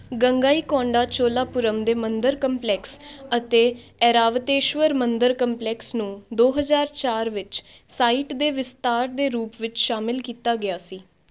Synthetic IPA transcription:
ɡəŋɡaːiːkɔ̃ːɳɖaːt͡ʃoːlaːpʊɾəmd̪eːmənd̪əɾkəmplɛːksət̪eː | ɛːɾaːʋət̪eːʃʋəɾmənd̪əɾkəmplɛːksnũːd̪oːɦəzaːɾt͡ʃaːɾʋɪt͡ʃ | saːiːʈd̪eːʋɪst̪aːɾd̪eːɾuːpʋɪt͡ʃʃaːmɪlkiːt̪aːɡɪjaːsiː

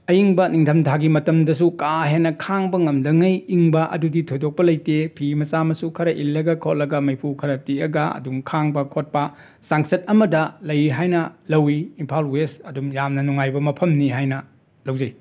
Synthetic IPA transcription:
ɐjiŋbɐniŋtʰɐmtʰaɡimɐtɐmdɐs̬ukaɦenːɐkʰaŋbɐŋɐmdɐŋɐjiŋbɐʔɐ̰duditʰojdok̚pɐlɐjtepʰimɐsamɐsukʰɐɾɐʔilːɐɡɐkʰot̚lɐɡɐmɐjpʰukʰɐɾɐtiɐɡɐɐ̰dumkʰaŋbɐkʰot̚pɐ | saŋsɐt̚ɐmɐdɐlɐjɦajnɐlɐwiːmpʰawlwesɐdumjamnɐnuŋajbɐmɐpʰɐmniɦajnɐ | lɐwd͡ʒɐj

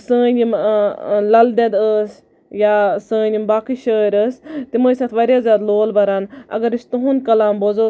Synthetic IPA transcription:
sə̃ːnʲim | lɐld̪ed̪əːs | jaːsə̃ːnʲimbaːkiʃəːɾʲəst̪iməːsat̪ʰʋɐɾjaːzʲaːd̪loːlbɐɾaːnɐ̰ɡɐɾist̪uɦũnkɐlaːmbozoː

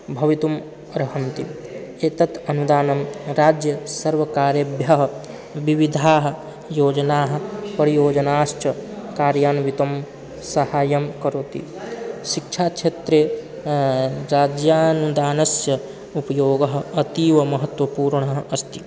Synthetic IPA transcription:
bʱɐʋit̪um | ɾɐɦɐnt̪i | eːt̪ɐt̪ɐnud̪aːnɐmɾaːd͡ʒjɐsɐɾʋɐkaːɾjɐbjɐɦɐ | ʋiʋid̪ʱaːɦɐ̆ | joːd͡ʒɐnaːɦɐ̆pɐɾijoːd͡ʒɐnaːʃʈɐkaːɾjaːnʋit̪ɐm | sɐhaːjɐmkɐɾoːt̪ḭ | ʃikt͡ʃʰaːt͡ʃʰet̪ɾe | ɾaːd͡ʒjaːnud̪aːnɐsjɐ | upɐjoːɡɐɦɐ̆ɐt̪iːʋɐmɐɦɐt̪ʋɐpuːɾɳɐɦɐst̪i

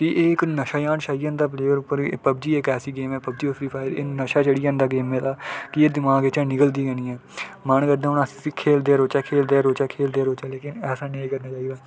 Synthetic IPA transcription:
t̪iʔeːɪknəʃaːjãːnʃaːijãːnd̪aːpleːəɾʊpːəɾpəb̚d͡ʒiːekɛːsiːɡeːmɛ̃ːpəbd͡ʒiːosɾiːpʰaːɪɾḛːnəʃaːt͡ʃəɽijãːnd̪aːɡeːmɛ̃ːt̪aːkɪed̪ɪmaːɡeːt͡ʃãːnɪkəld̪iːɡɛ̃ːniːɛ̃ːmənkəd̪ãːʊnaːsikʰeːld̪eːɾoːt͡ʃɛːkʰeːld̪eːɾoːt͡ʃɛːkʰeːld̪eaːɾoːt͡ʃɛːleːkɪnɛːsãːneːikəɾnaːt͡ʃaːiːɡ̪aː

